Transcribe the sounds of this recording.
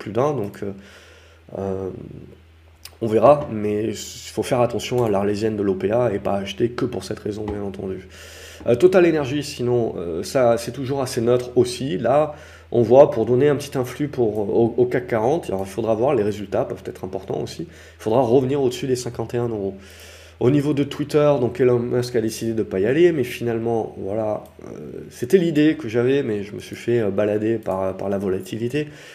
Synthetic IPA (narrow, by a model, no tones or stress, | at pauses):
plyd̪ɛ̃d̪ɔ̃kʰø | ø | ɔ̃veʁamɛifofɛʁat̪ɑ̃sjɔ̃alaʁlezjɛnd̪əlopeaepa̰ːʃt̪ekəpuʁsɛt̪ʁezɔ̃bjɛ̃nɑ̃t̪ɑ̃d̪y | t̪ɔt̪alenɛʁʒisinɔ̃ø̰sasɛt̪uʒuʁasenœt̪χosila | ɔ̃vwapuʁd̪ɔneɛ̃pət̪it̪ɛ̃flypʰuʁookakːaʁɑ̃t̪ɔilfod̪ʁavwaʁleʁezylt̪apœv̥t̪ɛt̪χɛ̃pɔʁt̪ɑ̰̃o̰si | ilfod̪ʁaʁəvəniʁod̪əsyd̪esɛ̃kɑ̃t̪eɛ̃no | onivod̪ət̪wit̪œʁd̪ɔ̃kɛlɔmɛ̃skad̪esid̪ed̪əpajalemɛfinalmɑ̃vwa̰la | ø̰set̪ɛlid̪ekəʒavɛmɛʒəməsɥifɛøbalad̪epaʁpa̰ʁlavɔlat̪ʰilit̪e